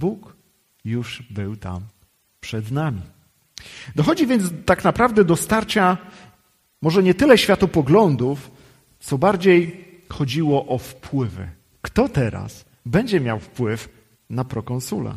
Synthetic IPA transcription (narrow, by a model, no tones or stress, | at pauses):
buk | juʐbɘwt̪a̰m | pʂɛd̪namʲi | d̪ɔxɔd͡ʑivʲjɛnd̪zt̪aknapɾavd̪ɛd̪ɔst̪aɾt͡ɕa | mɔʐɛɲɛt̪ɘlɛɕfʲjat̪ɔpɔɡlɔnd̪uf | t̪sɔbaɾd͡ʑej | xɔd͡ʑiwɔʔɔfpʰwɘvɘ̰ | kt̪ɔt̪ɛɾa̰s | bɛɲd͡ʑɛmʲjawfpwɘf | napɾɔkɔ̃nsulɛ̰